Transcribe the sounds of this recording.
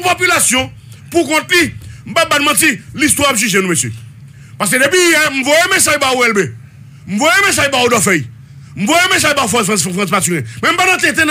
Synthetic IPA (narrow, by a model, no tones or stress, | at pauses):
popylasjɔ̃ | pukɔ̃t̪lim̩pat̚banumɐ̃tilis̬t̪waapʒyʒenũmesjø | paskedepijɛm̩vojemɛ̃s̬ajibauɛlbe | m̩vojemɛ̃s̬aibaodɔfɛj | m̩vojemɛ̃s̬aibaffsfʁɐ̃s̬patyʁɛ̃mɛ̃m̩panãt̪ẽt̪̬ɛ̃n